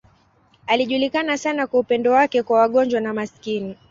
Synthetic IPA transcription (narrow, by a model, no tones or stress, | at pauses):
aliʄulikanasanakwaupɛndɔwakɛkwawaɠɔɲd͡ʒwanamaskini